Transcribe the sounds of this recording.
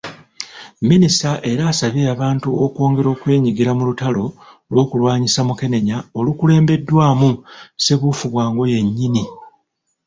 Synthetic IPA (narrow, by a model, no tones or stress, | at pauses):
minisaʔe̞ɾaːsaβeaβaːntuo̞kwo̞ːŋɡe̞ɾo̞ːkwe̞ːɲiɡiɾamulutalo̞ | lwo̞ːkulwaːɲisamuke̞ne̞ɲao̞lukule̞ːmbe̞dːwaːmuse̞βufuβwaːŋɡo̞je̞ɲːini